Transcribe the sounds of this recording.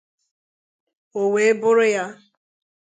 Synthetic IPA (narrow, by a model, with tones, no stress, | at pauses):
o˨we˨e˦bʊ˦ɾʊ˦ja˦